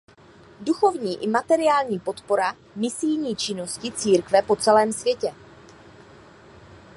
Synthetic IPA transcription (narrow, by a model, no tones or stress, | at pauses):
duxo̞vɲiːʔɪmat̪ɛɾɪaːlɲiːpo̞t̪po̞ɾa | mɪsɪjɲiːt͡ʃɪno̞scɪt͡siːɾkvɛpo̞t͡sɛlɛːmsvjɛcɛ